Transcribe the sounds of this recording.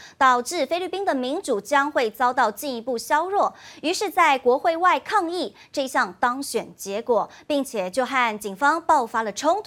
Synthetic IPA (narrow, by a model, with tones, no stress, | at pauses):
t̪ɑ˨˩ʊʈ͡ʂɻ̩˥˩fe˥ɪly˥˩pi˥ŋd̪ə˨mi˧˥nʈ͡ʂu˨˩t͡ɕjɑ˥ŋxwe˥˩ɪt͡sɑ˥ʊt̪ɑ˥˧ʊt͡ɕi˥˩ni˧˥pu˥˩ɕjɑ˥ʊɻwɔ˥˩y˧˥ʂɻ̩˥˧t͡sa˥˩ɪkwɔ˧˥xwe˥˧ɪwa˥˧ɪkʰɑ˥˧ŋi˥˩ | ʈ͡ʂɤ˥˧ɕjɑ˥˩ŋt̪ɑ˥ŋɕɥɛ˨˩nt͡ɕjɛ˧˥kwɔ˨˩ | pi˥˩ŋt͡ɕʰjɛ˨˩t͡ɕjo˥˧ʊxa˥˩nt͡ɕi˨˩ŋfɑ˥ŋpɑ˥˩ʊfa˥lə˨ʈ͡ʂʰʊ˥ŋt̪ʰ